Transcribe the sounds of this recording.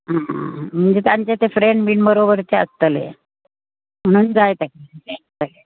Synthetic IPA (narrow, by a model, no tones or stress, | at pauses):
ɦãm̤əɳd͡zet̪jaɲt͡ɕet̪efɾeɳɖbiːɳbəɾobəɾteə̰st̪əlḛ | m̤əɽ̃uːnd͡zajt̪akeet̪əle